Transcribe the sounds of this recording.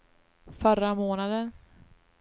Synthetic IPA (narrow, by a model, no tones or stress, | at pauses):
fœɾːamoːnad̪ən